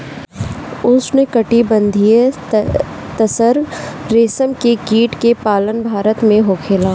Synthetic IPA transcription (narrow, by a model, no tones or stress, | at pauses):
ʊsnekɐʈibɐ̃nd̪ʱije | t̪ɐsəɾɾeːsəmkekiːʈkepaːlənbʱaːɾət̪mẽɦokʰeːlaː